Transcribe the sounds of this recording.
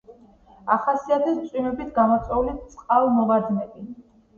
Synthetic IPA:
aχasiat̪ʰɛst̪sʼwimɛbit̪ʰɡamɔt̪sʼɛulit̪sʼqʼalˠmɔvad̪nɛbi

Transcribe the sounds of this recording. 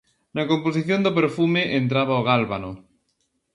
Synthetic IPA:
nakomposiθjond̪opeɾfumeʔent̪̬ɾaβaoɣ̞alβano

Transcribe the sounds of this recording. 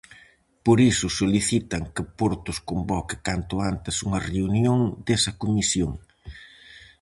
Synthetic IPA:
poɾisʊsoliθit̪ɐŋkɪpoɾt̪ʊskombɔkɪ̥kant̪ʊant̪ɪsuŋɐreunjoŋd̪esɐkomisjoŋ

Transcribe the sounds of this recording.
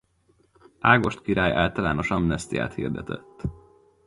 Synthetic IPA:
aːɡo̞ʃt̪kiɾaːjaːlt̪ɒlaːno̞ʃɒmnɛst̪ija̰ːt̪hḭːrd̪ɛt̪ɛt̪ː

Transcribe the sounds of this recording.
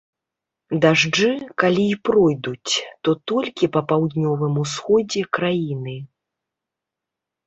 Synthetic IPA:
d̪aʐd͡ʐɨkalʲiːpɾɔjd̪ut͡sʲt̪ɔt̪ɔlʲkʲipɐpawd̪nʲɔvɨmusxɔd͡zʲɛkɾajinɨ

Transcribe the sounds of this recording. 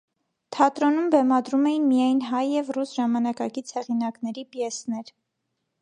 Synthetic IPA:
t̪ʰɑt̪ɾɔnumbɛmɑd̪ɾumɛjinmijɑjnɦɑjːɛvrusʒɑmɑnɑkɑkit͡sʰhɛʁinɑknɛɾipjɛsnɛɾ

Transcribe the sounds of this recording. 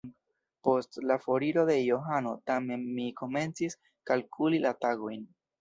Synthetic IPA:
po̞stlafoɾiɾo̞de̞joɦano̞tame̞nmiko̞me̞nt͡sis | kalkʰulilataɡo̞jn

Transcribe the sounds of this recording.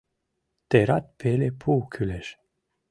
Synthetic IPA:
t̪eɾat̪̚pʰelepʰuːkʰyleʃ

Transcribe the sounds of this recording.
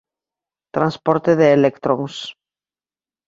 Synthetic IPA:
t̪ɾãnspoɾt̪eðeːlekt̪ɾoŋs

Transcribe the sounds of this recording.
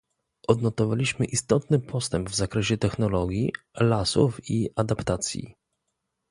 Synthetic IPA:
ʔɔd̪nɔt̪ɔvalʲiɕmɘʔist̪ɔt̪nɘpʰɔst̪ɛmbvzakɾɛɕɛt̪ɛxnɔlɔɡʲjḭ | lasṵfiʔad̪apt̪at̪sʲjḭ

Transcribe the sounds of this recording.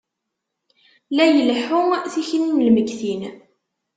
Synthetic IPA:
læjəlħuθiçəniməlməɡθin

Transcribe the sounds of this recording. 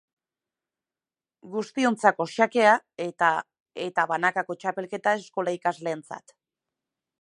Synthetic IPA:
ɡust̪io̞nt͡sako̞ʃake̞aa | e̞t̪aβanakako̞t͡ʃape̞lke̞t̪ae̞sko̞laikazle̞ːnt͡sa̰t̪

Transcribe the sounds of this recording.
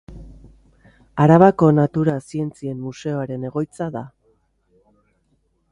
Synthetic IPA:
aɾaβako̞nat̪uɾasie̞nt͡sie̞mmuse̞o̞aɾe̞ne̞ɣ̞o̞jt͡saða

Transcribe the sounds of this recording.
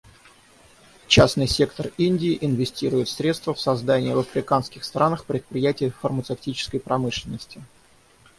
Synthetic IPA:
t͡ɕasnɨjsʲe̞kt̪ərinʲdʲɪːʔɪnvʲɪsʲtʲiɾʊjɪt̪sɾʲe̞t̪st̪vəfsɐzd̪anʲɪjəvəfɾʲɪkanskʲɪxst̪ɾanəxpɾʲɪt̪̚pɾʲɪjætʲɪəfərmət̪sɨftʲit͡ɕɪ̥skəjpɾɐmɨʂlʲɪnːəsʲtʲɪ

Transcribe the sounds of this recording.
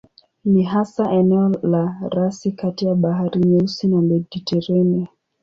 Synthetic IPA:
niɦasaʔɛnɛɔlaɾasikatijaɓaɦaɾiɲɛusinamɛditʰɛɾɛnɛ

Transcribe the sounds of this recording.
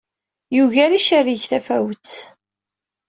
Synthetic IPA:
juʝæɾiʃæriʝθæfæwət͡sː

